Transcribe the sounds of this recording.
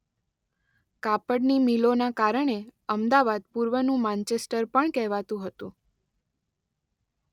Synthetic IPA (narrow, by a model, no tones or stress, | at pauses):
kapəɽnimilonakaɾəɳeəmd̪aʋad̪̚puɾʋənũmãnt͡ʃesʈəɾpəɳkɛɦʋat̪ũɦət̪ũ